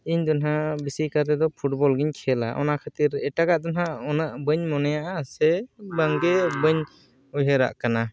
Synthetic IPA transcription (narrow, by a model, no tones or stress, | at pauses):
iɲd̪ɔnɦabisikaɾt̪ɛd̪ɔpʰuʈbɔlɡiɲkʰɛla̰ʔɔ̰naʔkʰat̪iɾɛʈaɡaʔd̪ɔnɦaɔnaʔbəɲmɔnɛjaʔasɛbaŋɡɛbəɲ | ɔjɦɛɾa̰ʔkana